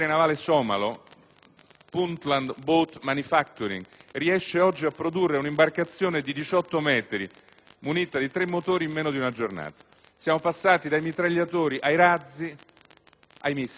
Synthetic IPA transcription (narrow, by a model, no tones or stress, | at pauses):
ɾenavaːlesɔːma̰lo | punt̪land̪bot̪manifak̚t̪uɾḭŋriɛʃːeɔd͡ʒːiapːɾod̪urːeunimbarkat̪sːjoːned̪id̪it͡ʃɔt̪ːomɛːt̪ɾḭ | muniːt̪ad̪it̪ɾemːot̪oːɾimːeːnod̪iunad͡ʒorna̰ːt̪ḁ | sjaːmopasːaːt̪id̪ajmit̪ɾaʎːat̪oːɾiʔajɾad̪zːi | ajmis